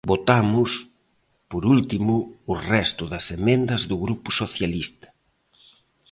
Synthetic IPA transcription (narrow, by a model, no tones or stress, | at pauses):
bot̪amʊs | poɾult̪imʊːrɛst̪ʊðɐsemẽnd̪ɐzðʊɣɾupʊsoθjalist̪ɐ̥